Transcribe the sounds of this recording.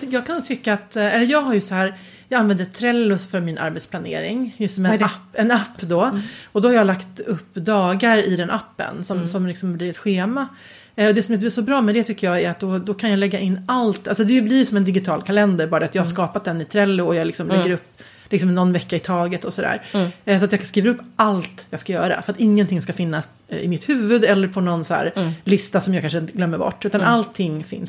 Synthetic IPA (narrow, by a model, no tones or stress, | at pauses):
jɑːɡ̚kʰanuːɡt̪ʰʏkːaːt̪ɛlːəɾjɑːɡɦaɾjɵsɔɦæːɾ | jɑːɡanvɛnd̪ət̪ʰɾɛlːʊfœɾmɪnʔa̰ɾbɛt̪spʰlanḛːɾɪ̰ŋjɵst̪ːɔmɛaɛnapːd̪ɔɔd̪ɔhaɾjɑːlakt̪ɵpːd̪ɑːɡaɾɪd̪ɛnʔapːə̰nsɔmsɔmlɪksɔmblɪɾɛt̪ɧeːma | ɔd̪ɛsɔmjɛnt̪əblɪʂɔbɾɑːmɛnd̪ɛt̪ʰʏkːəjɑːɡæɾat̪̚d̪ɔd̪ɔkʰanjɑːlɛɡːaʔɪnːalt̪alsɔd̪ɛblɪɾjsɔmɛnd̪ɪɡɪt̪ʰɑːlkʰalɛnd̪əɾbɑːɾat̪jɑːɡhaʂkɑːpat̪̚d̪ɛnːɪt̪ʰɾɛlːʊɔjɑːɡlɪksɔmlɛɡːəɾɵpː | lɪksɔmnɔnːvɛkːaɪt̪ʰɑːɡət̪ɔsɔd̪æ̰ːɾsɔat̪jɑːɡkskiːvaɾɵpːalt̪jɑːɡskajœːɾa̰fœɾat̪ɪŋːənt̪ʰɪŋːskafɪnːas | ɪ̰mɪt̪hʉ̟ːvɵd̪ɛlːəɾpʰɔnɔnsɔæ̰ːɾlɪst̪asɔmjɑɡkanʂəɪnt̪əɡlœmːəɾbɔ̰ʈːʉ̟ːt̪anʔalt̪ʰːɪŋːfɪ̰ns